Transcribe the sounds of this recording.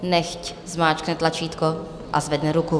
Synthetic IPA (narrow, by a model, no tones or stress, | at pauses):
nɛxc | zmaːt͡ʃknɛt̪lat͡ʃiːt̪ko | ʔa̰zvɛdnɛɾuku